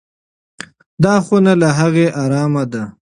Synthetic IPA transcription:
d̪ɑːxonalaɦaɣeʔɑːɾɑːmad̪a

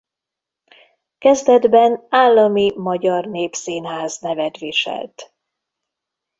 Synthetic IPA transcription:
kɛzd̪ɛd̪bɛnaːlːɒmimɒɟɒrneːpsiːnɦaːznɛvɛt̪ʋiʃɛ̰lt̪

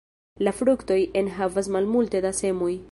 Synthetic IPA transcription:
lafɾukto̞jenɦavas̬malmulte̞dase̞moj

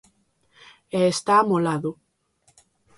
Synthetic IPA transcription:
eest̪amolaðo

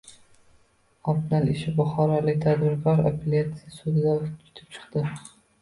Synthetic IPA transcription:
ɒbnaleʃɪbʊχɒɾɒlɪkʲt̪ʰad̪bɪɾkʰɒɾapʰelʲat̪sɪjasud̪ɪd̪at͡ʃʰʊ̥t̪ʰɪ̥p̚t͡ʃʰɨ̥qd̪ɪ

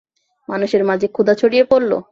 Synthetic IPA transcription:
manuʃeɾmad͡ʑʱekʰud̪at͡ɕʰoɽijepoɾlo̰

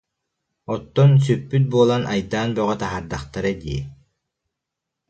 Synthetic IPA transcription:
ɔt̪ːɔns̬ypːyt̪̬̚buːlˠanʔa̰jd̪aːnbœʁœt̪aɦaɾd̪aχt̪aɾɯd̪ḭː

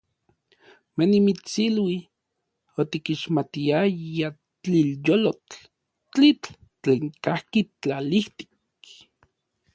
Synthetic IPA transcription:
menimit͡silwi | ot̪ikiʃmat̪iaja | t͡ɬiljolot͡ɬ | t͡ɬit͡ɬ | t͡ɬeːŋkahkit͡ɬaliht̪i̥k

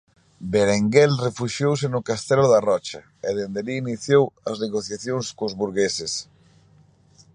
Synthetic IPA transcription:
beɾeŋɡɛlrefuʃjows̬ɪnʊkast̪ɛlʊðarɔt͡ʃɐ | eðend̪eliːniθjowɐzneɣoθjaθjoŋskːzβuɾɣesɪs

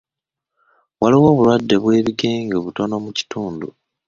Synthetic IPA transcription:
waliwo̞ːβulwadːe̞βwe̞ːβiɡe̞ːŋɡoːβuto̞no̞muci̥tuːndu

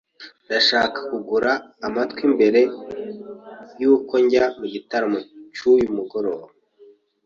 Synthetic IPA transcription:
daʃaːkḁkuɡuɾaːmatwimbe̞ɾe̞ | juko̞ɲɟamuɟitaɾamot͡ʃujumuɡo̞ɾo̞ːβe

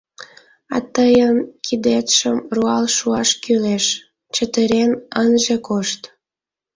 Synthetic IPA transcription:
ɑ̰t̪əjənkʰid̪et̪ʃəmruɑlʃuɑʃkyleʃ | t͡ɕət̪əɾenənʒekoʃt̪

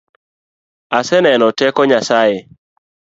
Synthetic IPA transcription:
asɛnɛnɔtɛkɔɲasaje

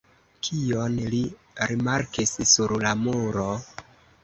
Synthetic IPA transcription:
kʰio̞nli | ɾimaɾkissuɾlamuuɾo̞

